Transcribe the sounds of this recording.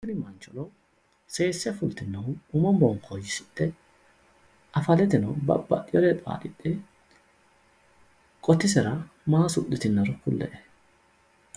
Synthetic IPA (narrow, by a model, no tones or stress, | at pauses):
ɪnɪmɐnt͡ʃɔlɔ | se̞ːsːɛfʊlt̪ɪnːɐʊʊmɔmbɔŋkʰɔjːɪsɪt̪ːɛ | ɐfɐlɛt̪ɪnɐwbɐ̰bːɐ̰ʔɪjɔlɛpʼa̰ːᶑɪt̪ʼːɛ | kʼɔt̪ːɪsɛɾɐ | maːsʊɗ̪ɪt̪ɪnːɐɾʊkːʊlːɛ̰ʔɛ̥